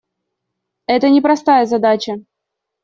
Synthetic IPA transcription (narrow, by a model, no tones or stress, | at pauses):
ɛt̪ənʲɪpɾɐst̪ajəzɐd̪at͡ɕə